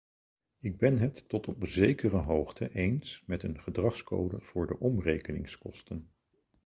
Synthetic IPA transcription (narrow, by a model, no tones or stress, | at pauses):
ɪɡ̚bɛnɦətːɔtɔpzejkərəɦowχtʰəʔejnsmɛtənχədrɑχsko̰wdəv̥ʊːɹdəʔɔmrejkənɪ̰ŋskɔstən